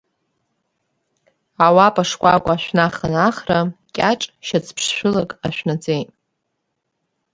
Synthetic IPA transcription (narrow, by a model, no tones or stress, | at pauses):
awapʼaʂkʷʼakʷʼaʃʷᶣnaχanaχrakʲʼaʈ͡ʂʼʃat͡sʰpʰʂʃʷᶣʊlakʼaʃᶣʷnad͡zejtʼ